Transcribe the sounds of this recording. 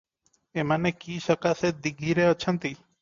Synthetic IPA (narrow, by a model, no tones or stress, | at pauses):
emanekisɔkased̪iɡʱiɾeɔt͡ʃʰɔnt̪i